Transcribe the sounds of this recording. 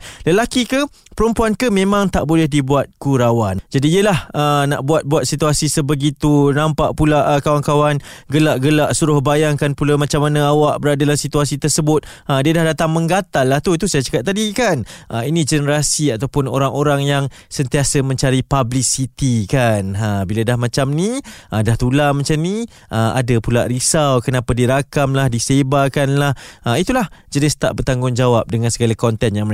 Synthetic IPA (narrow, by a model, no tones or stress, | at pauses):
ləlakikə | pəɾəmpuankəmẽmãŋt̪aʔbolɛhdibuat̪̚kuɾawand͡ʒadiːəlahəna̰ʔbuat̪̚buat̪̚sit̪uasisəbəɡit̪unãmpaʔpulaʔkawankawanɡəlaʔɡəlaʔsuɾʊhbajaŋkanpulamãt͡ʃamanãawaʔbəɾadalasit̪uasit̪ərsəbʊt̪̚ | ədiədahdat̪aŋmə̃ŋɡat̪alːaht̪ut̪usajat͡ʃə̥kap̚t̪ːadikanʔəinĩd͡ʒənəɾasiat̪awpʊno̰ɾaŋoɾaŋjaŋ | sənt̪iasəmə̃ɲt͡ʃaɾipablisit̪ikanəbiladahmãt͡ʃamniʔədaht̪ulamat͡ʃamni | ʔəa̰dapulaʔɾisawkənapadiɾakamlahdisebakanlahəit̪ulahd͡ʒənɪst̪a̰ʔbərt̪aŋɡʊŋd͡ʒawap̚dəŋãnsəɡalakɔnt̪ɛnjaŋmə